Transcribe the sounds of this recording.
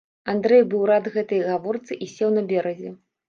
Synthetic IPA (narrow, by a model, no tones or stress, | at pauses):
and̪ɾɛjbɨwɾad̪ɣɛt̪ɐjɣavɔrt̪sɨʔisʲewnɐbʲɛɾɐzʲɛ